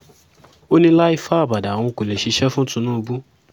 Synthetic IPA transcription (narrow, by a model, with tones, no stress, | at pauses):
o˦nĩ˦la˦i˦˧fa˦a˦˨ba˨da˨w̃ɔ̃˧ko˨le˨ʃe˨˧ʃɛ˦fũ˦tũ˧nũ˦˧bu˦